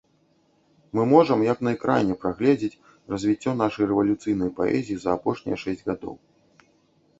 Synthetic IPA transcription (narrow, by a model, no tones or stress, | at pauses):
mɨmɔʐɐmjɐknɐɛkɾʔa̰jnʲːɛpɾaɣlʲɛd͡zʲit͡sʲ | rɐzʲvʲit͡sʲːɔn̪aʂɐjrɛvɐlʲut̪sɨjn̪ɐjpaɛ̰zʲijizɐːpɔʂnʲɛ̰jɐʂɛsʲd͡zʲɣad̪ɔ̰w